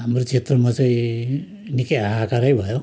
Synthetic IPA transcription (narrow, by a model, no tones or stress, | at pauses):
ɦamɾot͡sʰet̪rʌmat͡saĩ | nikeaɦakaɾəjbʱʌjo